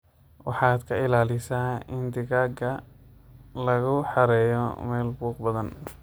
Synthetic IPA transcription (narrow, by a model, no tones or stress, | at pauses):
wɑ̰ħɑːd̪kʰɐɪlaːlɪsaːɪnd̪ɪɣaːɡɐ | lɐɣʊħɑɾɛːjɔ̰mɛːlbuːqbɐðɐn